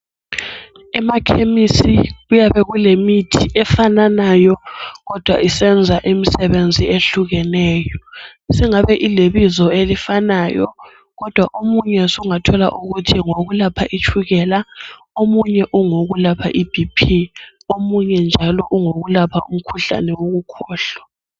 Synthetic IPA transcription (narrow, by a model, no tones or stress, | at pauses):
ɛmakʰemisiɣujaβɛɣulemitʰiʔɛfananajɔɣɔd̥ʱwa̰ʔisɛnd͡zʱaʔimisɛβend͡zʱieɬuɣɛnɛːjɔsiŋaβɛʔileβizɔelifanajɔ̰ | ɣɔd̥ʱwaʔomuɲɛsuuŋatʰɔla̰ʔuɣutʰiŋoɣulapʰaʔit͡ʃʰʼuɣɛla | omuɲɛʔuŋoɣulapʰa̰ʔib̥ʱipʰi | omuɲɛnd͡ʒʱalɔʔuŋoɣulapʰa̰ʔum̩kʰuɬa̰nɛwoɣukʰɔːɬɔ̥